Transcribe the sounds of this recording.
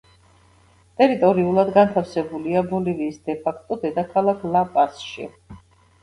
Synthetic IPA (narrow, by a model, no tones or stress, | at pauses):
t̪ʼɛɾit̪ʼɔɾiulˠad̪ɡant̪ʰafsɛbuliabɔliviːsd̪ɛpʰakʰt̪ʼɔd̪ɛd̪akʰalˠakʰlˠapʼasʃḭ